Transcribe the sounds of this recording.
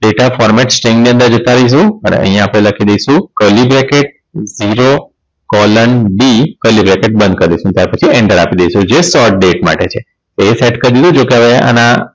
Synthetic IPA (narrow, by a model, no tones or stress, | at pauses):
ɖeʈafɔɾmɛʈsʈɾẽŋɡniə̃nd̪əɾd͡ʒət̪aɾəiʃ̬ũənḛə̰ɦijãːpɽ̃eləkʰid̪əjʃũkəlibɾɛkeʈ̚ | ziɾo | kɔlənbikəlibɾɛkeʈ̚bə̃nd̪̚kəɾd̪eʃũt̪jaɾpət͡ʃʰiɛɳʈəɾapid̪ejʃũd͡ʒesɔʈ̚ɖeʈma̰ʈet͡ʃʰe | t̪oeseʈkəɾd̪id̪ũd͡ʒokeɦəʋea̰na